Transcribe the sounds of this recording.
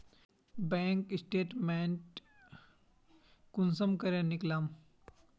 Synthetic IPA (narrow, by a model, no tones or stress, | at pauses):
bɛ̃ːŋkɪsʈeːʈmẽːɳʈ | kʊnsəmkɐɾẽnɪklaːm